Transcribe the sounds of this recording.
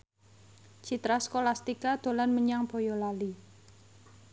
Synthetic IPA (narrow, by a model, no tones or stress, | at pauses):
t͡ʃit̪ɾaskolast̪ikad̪̥o̤lanməɲaŋb̥o̤jolali